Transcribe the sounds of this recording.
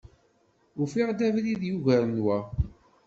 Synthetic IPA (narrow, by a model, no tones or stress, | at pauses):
ʊfiʁd̪ævliðjuʝæɾənwæ